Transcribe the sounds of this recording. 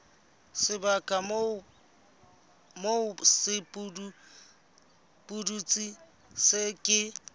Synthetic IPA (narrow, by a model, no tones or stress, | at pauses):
sɪbakʼam | moʊsɪpʼudu | pʼudut͡sʼi | sɪkʼɪ